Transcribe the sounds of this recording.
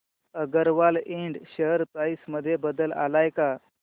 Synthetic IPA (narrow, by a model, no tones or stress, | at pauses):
əɡəɾʋaleɳɖɕəɦəɾpɾaisməd̪ʱːjebəd̪əla̰lajka